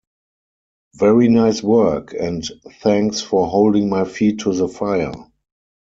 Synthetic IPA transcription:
vɛɹinaɪswɜ˞kʰɛ̃ntθɛ̃ŋksfɔɦoʊldɪ̃ŋmaɪfiːtʰːuðəfaɪə̰˞

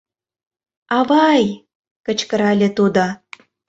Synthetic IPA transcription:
ɑβɑj | kə̆t͡ɕkə̆ɾɑlʲĕt̪ud̪o

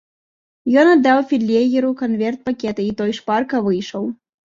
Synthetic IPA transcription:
jɔnad̪ːawfʲilʲːeɣʲɛɾukanvʲɛrt̪̚pakʲɛt̪ɨit̪ɔjʂparkɐvɨjʂɐw

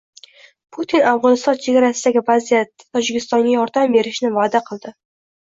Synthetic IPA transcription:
pʰut̪ʰinavʁɒnɪst̪ɒnt͡ʃʰe̞ɡʲaɾasɪd̪aɡʲɪvazijat̪ʰːɒd͡ʒɪkʲʰɪst̪ɒŋɡʲajɒɾd̪ambe̞ɾɪʃnɪvaːd̪aqʰɨlˠd̪ɪ

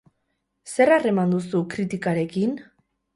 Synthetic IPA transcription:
se̞rare̞mand̪usukɾit̪ikaɾe̞kin

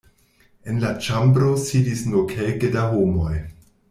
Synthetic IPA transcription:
enlat͡ʃambɾo̞sidisnuɾkʰelkədaɦomo̞j

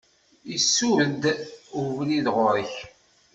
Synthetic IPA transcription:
isːuəd̪uvəniðʁʊɾəç

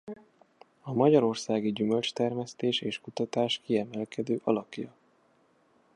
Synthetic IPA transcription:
ɒmɒɟɒɾo̞rsaːɡiɟymø̞lt͡ʃt̪ɛrmɛst̪eːʃeːʃkut̪ɒt̪aːʃkiɛmɛlkɛd̪øːʔɒlɒkjɒ

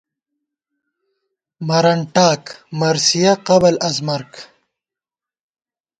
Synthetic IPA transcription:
mɐɾɐɳʈaːkmɐɾsijaqɐbɐlɐzmɐɾk

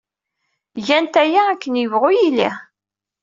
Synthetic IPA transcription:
ʝænt̪æjaækːənjəvʁʊjilḭ

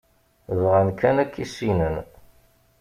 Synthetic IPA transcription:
ðʁænkːænækːisinən

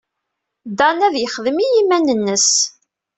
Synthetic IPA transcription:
d̪ɑnæðjəχəðəmijimænənːəs

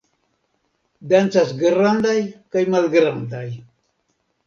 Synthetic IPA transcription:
d̪ant͡sasɡɾand̪ajkajmalɡɾand̪aj

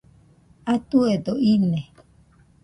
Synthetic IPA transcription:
at̪ued̪oine

